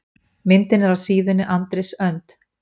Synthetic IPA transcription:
mɪnt̪ɪnɛɾavsiːðɪnːɪʔant̪ɾesœnt̪

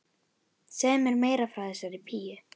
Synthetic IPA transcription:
sɛːmɛɾmeːjɾafɾawθɛsːaɾipʰiːjʏ

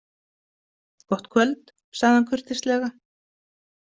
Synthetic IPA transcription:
kɔht̪kʰvœlt̪ | saɣðankʰʏr̥t̪ɪst̪lɛːɣa

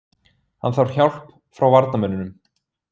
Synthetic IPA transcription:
hanθawɾ̥çawl̥p | fɾawvaɾt̪namɛnːʏnʏm

